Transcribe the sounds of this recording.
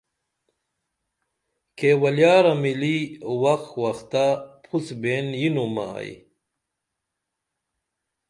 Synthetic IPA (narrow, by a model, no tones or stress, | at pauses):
kewɐljaːɾɐmiliwɐxwɐxt̪apʰusbenjinuma̰j̰